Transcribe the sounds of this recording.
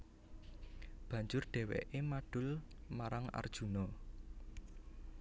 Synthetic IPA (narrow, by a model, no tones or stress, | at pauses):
b̥ä̤ɲd͡ʒʊrɖ̥ɛ̤wɛ̰ʔemaɖ̥ʊlmaɾaŋa̰rd̥ʒ̥unɔ